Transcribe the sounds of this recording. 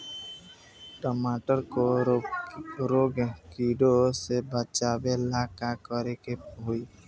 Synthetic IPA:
ʈɔmaʈəɾko | ɾoɡekiɖosebət͡ʃabelakakəɾekeɦoi

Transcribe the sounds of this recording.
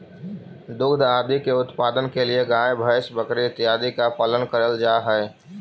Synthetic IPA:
d̪ʊɡd̪ʱaːd̪ikeʊt̪paːd̪ənkelieɡãebʱəɪsbəkɾiɪt̪ɪjaːd̪ikapələnkəɾəld͡ʒaːɦɛɛ

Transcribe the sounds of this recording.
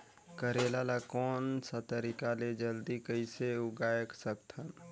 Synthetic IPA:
kəɾelalakɔːnsat̪əɾikaled͡ʒəld̪ikəɪseʊɡaːjəksək̚t̪ʰən

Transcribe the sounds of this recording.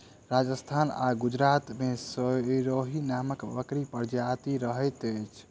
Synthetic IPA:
ɾad͡ʒəst̪ʰana̰ɡud͡ʒɾat̪mesəɾoɦinaməkbə̰kɾipəɾd͡ʒat̪iɾəɦəjt̪əjt͡ʃʰ

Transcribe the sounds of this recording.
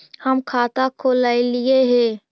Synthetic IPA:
həmkʰat̪akʰolaɪlieɦɛ

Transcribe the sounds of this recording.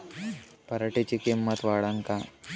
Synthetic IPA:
pəɾəʈet͡ɕikemːət̪ʋaɽaŋka

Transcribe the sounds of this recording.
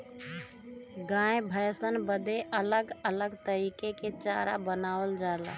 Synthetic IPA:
ɡãːebʱəjsənbəd̪eʔələɡələɡt̪əɾiːkeket͡ʃaːɾa̰bənaːwəld͡ʒaːla̰ː

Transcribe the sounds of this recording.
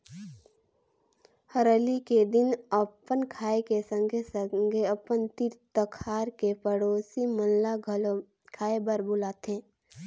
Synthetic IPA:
həɾəliked̪ɪnəpənkʰaːekesə̃ŋɡʱesɡʱeəpənt̪iɾt̪əkʰaːɾkepəɽoːsimənlaɡʱəl | kʰaːebəɾbʊlaːt̪ẽː

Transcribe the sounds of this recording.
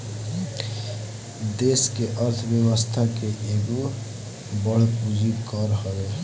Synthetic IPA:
d̪eːskeʔəɾt̪ʰbjəwəst̪ʰakeʔeːɡu | bəɽ̤pud͡ʒikəɾɦəɾe

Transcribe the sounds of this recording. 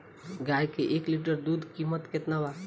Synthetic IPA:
ɡajkeʔekliʈ̬əɾd̪ud̪ʱkimət̪ket̪naba

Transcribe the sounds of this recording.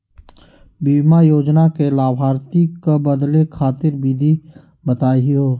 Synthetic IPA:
biːmajoːd͡ʒnakelaːbɦaːɾt̪ikebəd̪lekʰaːt̪ɪɾbiːd̪ʱi | bət̪aːiɦoː

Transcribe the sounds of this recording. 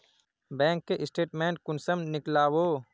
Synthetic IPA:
bɛ̃ːŋkːeʔɪsʈeːʈmẽːɳʈ̚kʊnsəmnɪklaːwoː

